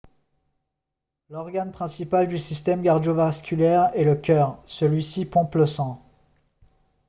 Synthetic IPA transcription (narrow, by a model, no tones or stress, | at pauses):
lɔʁɡanpχɛ̃sipald̪ysist̪ɛmkaʁd̪jovaskʲylɛʁɛləkʲœʁsəlɥisipɔ̃pləsɑ̃